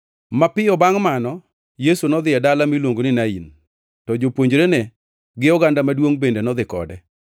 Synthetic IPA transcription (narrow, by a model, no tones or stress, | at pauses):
mapɪɔbaŋmanɔ | jesunɔd̪ɪɛdalamilwoŋɡonɪnaḭn | tɔd͡ʒopwoɲd͡ʒɾenɛ | ɡɪɔɡandamadwoŋbendenɔd̪ɪkɔ̰dɛ